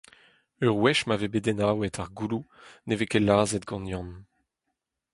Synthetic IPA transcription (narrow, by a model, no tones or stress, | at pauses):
øʁwɛʃmavebedɛnaːwɛtʰaʁɡulunevekelaːzɛtɡɑ̃njɑ̃n